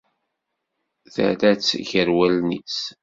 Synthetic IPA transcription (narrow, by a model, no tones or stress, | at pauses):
θə̰ðæt͡sːçəɾwælnit͡s